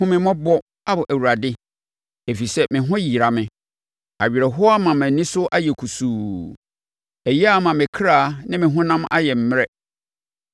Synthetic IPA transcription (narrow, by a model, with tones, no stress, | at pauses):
ʊ̃˦mɪ̃˦mɔ̃˦bɔ˦ | a˦bʊ˨ʔæ˨wu˨ɾa˨dɪ˦ | e˨fi˨sɛ˦mɪ̃˨ɦʊ̃˦ji˨ɾa˨mɪ̃˨ | a˨ɥi˨ɾɛ˨ɦʊ˦a˦mã˨mæ̃˨nĩ˦sʊ˦ʔa˦jɛ˨kʰu˨suː˨ | ɛ˨ji˦a˦mã˨mɪ̃˨kʰɾaː˦˨nɪ̃˦mɪ̃˨ɦʊ̃˦nã˦mʔa̰˦jɛ˨m̩˦m̃˦ɛ˦